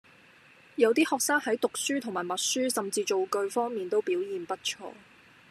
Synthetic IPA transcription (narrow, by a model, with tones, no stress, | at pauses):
jɐ˨˧wt̪iː˥hɔː˨k̚saː˥ŋhɐ˨˥jt̪ʊ˨k̚syː˥t̪ʰʊ˨˩ŋmaː˨˩jmɐ˨t̚syː˥sɐ˨mt͡siː˧t͡ʃo˨wkɵ˧ɥfɔː˥ŋmiː˨nt̪o˥wpiː˨˥wjiː˨npɐ˥t̚t͡ʃʰɔ̰ː˧